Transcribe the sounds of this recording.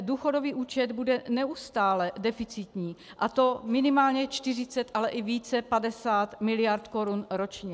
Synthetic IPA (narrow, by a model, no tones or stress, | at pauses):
duːxo̞doviːʔuːt͡ʃɛd̪budɛnɛʔust̪aːlɛdɛfɪt͡sɪt̪ɲiː | ʔat̪o̞mɪnɪmaːlɲɛt͡ʃt̪ɪr̝ɪt͡sɛt̪ʔalɛʔɪviːt͡sɛpadɛsaːt̪mɪlɪjaɾt̪ko̞ɾunɾo̞t͡ʃɲɛ